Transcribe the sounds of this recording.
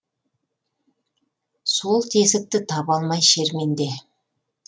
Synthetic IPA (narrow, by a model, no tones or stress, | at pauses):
so̞lˠt̪ʰe̞sɪk̚t̪ɪt̪ʰɑpɑlˠmɑjʃe̞ɾme̞nd̪e̞